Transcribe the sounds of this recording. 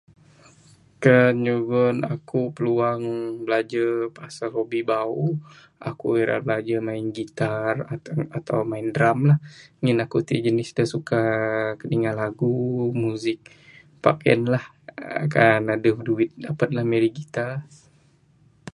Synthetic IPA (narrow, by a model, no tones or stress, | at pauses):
kəɲuɡɔna̰kupəluaŋbəlad͡ʒapasalobibau | ʔa̰kṵeɾa̰bəlad͡ʒamaɪnɡit̪arat̪a̰wmaɪndɾamlahŋɪnakut̪ḭd͡ʒənɪsdasukakəniŋalaɡumuzɪk̚ | pa̰kɛ̰nlah | kanadəduɪt̪̚dapat̪̚lahmeɾiɡit̪a